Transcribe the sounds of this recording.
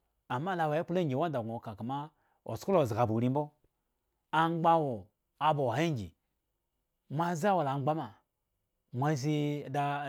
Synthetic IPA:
a˨mːa˦la˨wa˨˦i˦pu˦lo˦ŋɡʲi˨wa˦n˦da˨ɡo˨ka˨ka˨ma˦ | o̰˨sko˦lo˨za˨bu˨ɾi˦m˦bo˦ | a˦ŋ͡mɡ͡ba˦wo˨ | a˨bo˨e˦ŋ˦ɡʲḭ˨ | mʷa˦za˦wo˨la˨ŋ͡mɡ͡ba˦ma˨ | mʷa˦zi˧˨da˧

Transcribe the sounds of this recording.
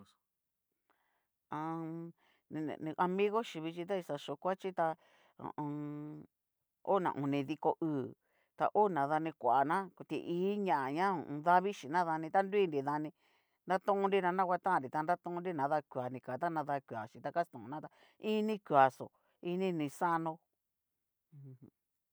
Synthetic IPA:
ã˧ | ñ̰˧˨˧ʔa˧mĩ˦ɣo˦ʃi˧βi˧t͡ʃi˧t̪̬a˦i˧sa˧ʃo˧kʷa˦t͡ʃi˦t̪ã̰˧˨˧ | o̰˦nã̰˨ʔṵ̃˨nĩ˧ði˧ko˧ʔɨː˧˨ | t̪a̰˧ʔo˦nã˨ða˧nĩ˧kʷa˨ʔa˨nã˦kt̪ḭ˧ʔiː˦ɲã˧˨ʔa˨ɲã̰˦˨˧ða˦βi˦ʃi˨nã˦ða˧nĩ˧t̪a˦ndi˦nɾi˨ða˧nĩ˧ | nda˦t̪ũ˦ũ˧nɾi˦nã˧nã˦kʷa˧t̪ã˦˨ɾi˨t̪a˧nda˦t̪ũ˦ũ˦nɾi˦nã˨˦ða˧kʷwa˨nĩ˧ka˨t̪a˦nã˧ða˧kʷwa˨ʃĩ˨t̪a˧ka˦st̪õ˨ũ˧nã˦t̪a˧ | i˦nĩ˦kʷwa˨so̰˨ | i˦nĩ˦˧nĩ˧sa˦nõ˧˨˧

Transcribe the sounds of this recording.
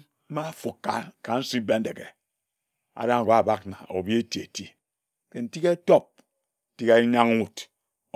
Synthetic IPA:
m̩˦ma˦fu˨kːa̰˨ka˨n̩˦si˦be˦n̩˦de˨ke˨ | a̰˨da˦ŋ˨ɡa˨ba˦k̚na̰˨ʔo̰˨bi˦e˦ti˨e˨ti˦ | ke˨n̩˨ti˦ke˦to˦p̩̚˨ | ti˦ke˦ɲa˦ŋ˦wu˨t

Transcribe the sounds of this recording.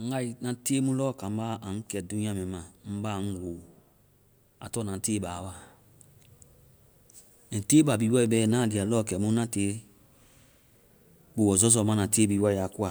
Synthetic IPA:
ɡa˦i˨nã˨te˦mũ˦lɔ˦˨kã˨m˦ba˦ʔa˨ŋ̩˦kɛ˨dũ˦ĩ˦ã˦mɛ̃˨˦mã˨m̩˦ba˦˨ŋ̩˦wo˨ | a̰˨tɔ˦˨nã˨˦teː˦ba˨wa˦˨ | n̩˨teː˦ba˨biː˨˦wɔ˦i˨bɛː˦˨nã˦˨di˨a˨lɔ˦˨kɛ˨mũ˦nã˦teː˨˦ | bu˨wɔ˨zɔ˦z̬ɔ˨˦mã˦nã˨teː˦biː˨˦wa˦i˨ja˨ku˦a˨

